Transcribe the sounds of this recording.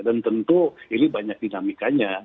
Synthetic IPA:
dant̪ənt̪uinibaɲak̚dinamikaɲa

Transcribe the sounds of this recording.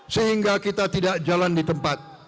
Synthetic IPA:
səɦiŋɡakit̪at̪idaʔd͡ʒalandit̪əmpat̪̚

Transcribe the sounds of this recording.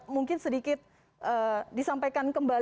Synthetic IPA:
muŋkɪnsədikɪt̪̚ | ʔədisampajkankəmbal

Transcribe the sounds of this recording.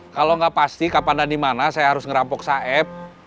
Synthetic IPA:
kaloŋɡapast̪ikapandandimanasajaɦaɾʊsŋəɾampɔk̚saɛp̚

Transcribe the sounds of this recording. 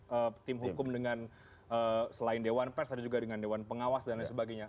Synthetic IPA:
ət̪ɪmɦukʊmdəŋan | əsəlaɪndewanpɛrsadd͡ʒuɡadəŋandewanpəŋawasdanasəbaɡaɲa

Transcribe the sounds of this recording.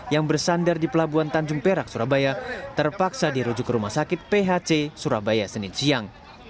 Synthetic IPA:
jaŋbərsandardipəlabuant̪aɲd͡ʒʊŋpeɾak̚suɾabajat̪ərpaksadiɾud͡ʒukɾumasakɪt̪̚peɦat͡ʃesuɾabajasənɪnsiaŋ

